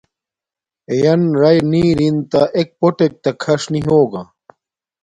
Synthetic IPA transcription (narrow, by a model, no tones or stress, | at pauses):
ejɐnɾɐjniːɾint̪ɐʔek̚poʈek̚t̪ɐkʰɐʂniɦoːɡa